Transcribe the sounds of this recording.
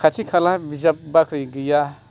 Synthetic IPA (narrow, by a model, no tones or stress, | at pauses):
kʰat͡ʃʰikʰalabizap̚bakʰɾiɡija